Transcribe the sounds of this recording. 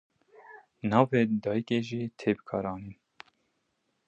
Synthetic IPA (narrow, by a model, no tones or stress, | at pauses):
nɑːveːd̪ɑːjikeːʒiːt̪ʰeːbɨ̥kʰɑːɾɑːniːn